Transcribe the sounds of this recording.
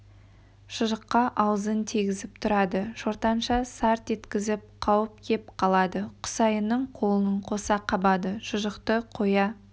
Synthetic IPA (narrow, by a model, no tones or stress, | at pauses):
ʃəʒəqːɑʔɑwəzənt̪ʰiɡʲɪzɪp̚t̪ʰʊɾɑd̪əʒ̥oɾt̪ɑnʃɑsɑɾt̪e̞t̪kʲɪzɪp̚qʰɑwəp̚kʲʰe̞p̚qʰɑlˠɑd̪əqʰʊ̥sɑjənːəɴqʰo̞lˠənəɴqʰo̞sɑqʰɑbɑd̪əʃʊʒəqt̪əqʰo̞jɑ